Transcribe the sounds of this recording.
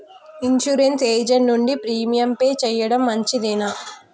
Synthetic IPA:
inʃuɾenseːd͡ʒɐɳnuɳɖipɾiːmijɐmpeːt͡ʃɛːjɐɽɐmːɐɲt͡ʃid̪inɐ

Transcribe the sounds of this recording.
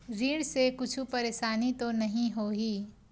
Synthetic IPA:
ɾiːɽsekʊt͡ʃʰupɐɾeːʃaːnit̪onɐɦĩɦoːɦiː

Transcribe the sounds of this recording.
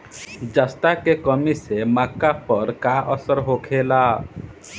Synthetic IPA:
d͡ʒəst̪akekəmisemakːapəɾkaʔəsəɾɦokʰela

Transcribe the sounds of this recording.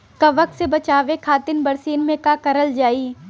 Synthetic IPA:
kɐʋəksebɐt͡ʃaːʋekʰaːt̪ɪnbɐɾsiːnmẽkakɐɾəld͡ʒaːiː

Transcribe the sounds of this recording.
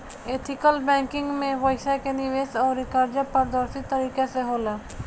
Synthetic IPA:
eːt̪ʰɪkəlbɛ̃ːŋkɪ̃ŋɡmẽʋəɪʃakenɪʋeːsɔːɾːɪkaːɾd͡ʒapɐɾd̪əɾsit̪ːɐɾiːkeseɦoːlaː

